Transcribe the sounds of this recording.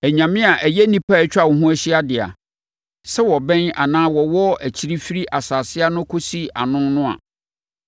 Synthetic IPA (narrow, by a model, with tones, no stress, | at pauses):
æ˨ɲã˨mɪ̃˦a˨ʔæ˨jɛ˦nĩ˦pʰa˦˨ɛ˦t͡ɕᶣa˦˨wɔ˨ɦũ˦æ˦ɕi˦a˦dɪ˨a̰˨ | sɛ˦wɔ˨bɛ̃˦na˨nãː˦wɔ˨wɔ˦ʔæ˨t͡ɕʰi˦ɾi˦fi˦ɾi˦ʔa˨saː˨sɪ˦a˦nʊ̃˦kʰo˦si˦a̰˨nʊ̃˦nnʊ̃˦a̰˨